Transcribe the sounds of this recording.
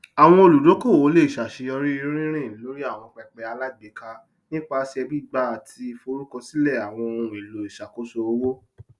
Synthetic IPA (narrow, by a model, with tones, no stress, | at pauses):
a˨w̃ɔ̃˧o˧lu˨do˨˦ko˦˨wo˨˦le˦i˨ʃa˨ʃe˧jɔ˧ɾi˦i˦˧˦ɾ̃ĩ˦ɾ̃ĩ˦˨˦lo˦ɾi˦a˦˨w̃ɔ̃˧k͡pɛ˧k͡pɛ˧a˧la˦˨ɡ͡be˨˦ka˧ | nĩ˦k͡pa˧˦si˧ɛ˧bi˦ɡ͡ba˦˨a˨tʰi˧fo˧ɾu˦kɔ̃˧si˦lɛ˦˨a˨w̃ɔ̃˧o˧ɾũ˨i˨lo˨i˨ʃa˨ko˨˦so˧o˧wo˦